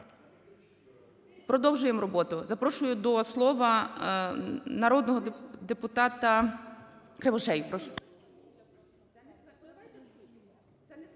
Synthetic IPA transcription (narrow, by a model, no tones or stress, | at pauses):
pɾɔd̪ɔwʒʊjemrɔbɔt̪ʊzɐpɾɔʃʊjʊd̪ɔslˠɔʋɐ | nɐɾɔd̪nɔɦɔd̪epʊt̪ɑt̪ɐ | kɾeʋɔʃɛjpɾɔʃ